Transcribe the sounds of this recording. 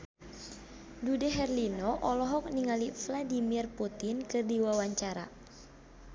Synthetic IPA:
dudɛɦɛrlinɔʔɔlɔɦɔk̚niŋalifladimirput̪inkɨrdiwawaɲt͡ʃaɾa̰

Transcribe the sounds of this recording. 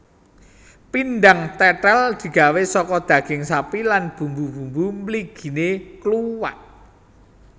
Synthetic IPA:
pindaŋt̪ɛʈald̪̥i̤ɡ̥ä̤wesɔkɔd̪̥ä̤ɡ̥ɪŋsapilanb̥ṳmbub̥ṳmbumliɡ̥i̤nekluwaʔ̚

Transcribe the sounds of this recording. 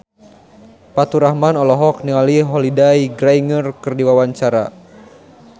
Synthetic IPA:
pat̪uɾahmanɔlɔɦɔk̚niŋaliɦɔlidaiɡɾaiŋərkɨrdiwawaɲt͡ʃaɾa̰

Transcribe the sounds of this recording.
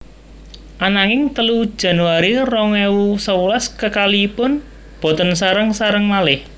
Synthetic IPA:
ʔanaŋɪŋt̪əlud̥ʒ̥a̤nuwaɾirɔŋɛwusəulaskəkaliːpʊn | b̥ɔ̤t̪ənsaɾəŋsaɾəŋmalɪh

